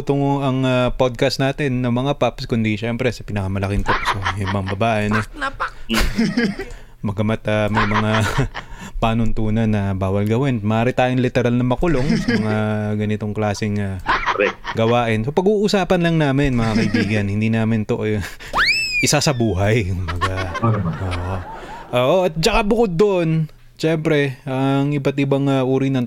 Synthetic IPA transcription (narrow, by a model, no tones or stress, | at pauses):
t̪oŋɐŋɐpod̪̚kɐst̪naːt̪ɛnːɐmɐŋapapskʊnd̪iʃɛmpɾɛsɐpɪnɐkamɐlɐkɪnt̪oʔsojʊmbɐŋbɐbaːʔɪno | mɐɡɐmat̪ɐmɐjmɐŋa | paːnʊnt̪uːnɐnːɐbaːwɐlɡɐwɪnmɐʔaːɾɪt̪aːjonlɪt̪ɛɾalnɐmɐkʊlo̞ŋsɐmɐŋaɡɐnɪt̪o̞ŋklaːsɪŋaɾɛɡɐwaːʔɪnsopɐɡuːʔʊsaːpɐnlɐŋnaːmɪnmɐŋakɐʔjɪbiːɡɐnhɪnd̪iːnaːmɪnt̪oʔ | ʔɪsasɐbuːɦɐjkʊmbɐɡaʔoːʔoʔoːʔoʔɐt̪̚t͡ʃɐkabʊkod̪̚ːoʔon | t͡ʃɛmpɾɛʔɐŋʔɪbat̪̚ɪbaŋɐʔuːɾinɐŋ